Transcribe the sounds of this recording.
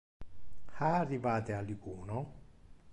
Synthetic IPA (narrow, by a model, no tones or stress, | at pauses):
haarːivaːt̪ealikuːno